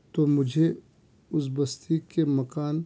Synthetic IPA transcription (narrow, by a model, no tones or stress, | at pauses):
t̪omʊd͡ʒʱe | ʊs̬bɐst̪iːkːemɐkaːn